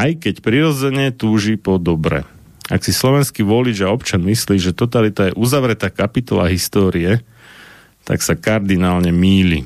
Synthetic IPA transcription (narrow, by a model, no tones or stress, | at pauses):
ajkɛcpɾiɾɔd͡zɛɲɛt̪uːʒipɔd̪ɔbɾɛ̰ | aksislɔʋɛnskiːʋɔlid͡ʒaɔpt͡ʃanmisliːʒɛt̪ɔt̪alit̪ajɛʔuzaʋɾɛt̪aːkapit̪ɔla̰ɦist̪ɔːɾiɛ | t̪a̰ksakaɾd̪inaːlɲɛmiːlḭ